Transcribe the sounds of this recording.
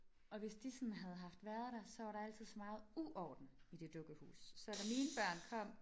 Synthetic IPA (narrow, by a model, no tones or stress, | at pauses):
ɒ̽ʋe̝sd̥isɒnɦæð̞ˠɦɑ̈fd̥ʋæɐð̞ˠd̥æsɒ̽ʋɑ̈ɾɑæl̰t͡sið̞̰ˠsɒ̽mɑ̈ːð̞̩ˠuʔɒːd̥n̩id̥e̝d̥ɔ̽ɡ̥əhṵːsːɒd̥æmiːnəb̥ɶɐ̰nkʰɒ̽m̰